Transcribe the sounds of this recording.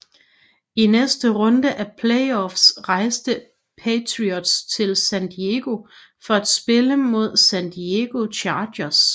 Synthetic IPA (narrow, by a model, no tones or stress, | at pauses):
inesd̥əʁɔ̽nd̥əʔæpʰleɪɒfsʁɑ̈ɪsd̥ə | pʰet͡sʰʁiɒd̥st͡sʰe̝lsænd̥ieɡ̥o̝ | fɒ̽æd̥sb̥e̝ləmo̝ð̞ˠsænd̥ieɡ̥o̝ɕʰɑːdɐs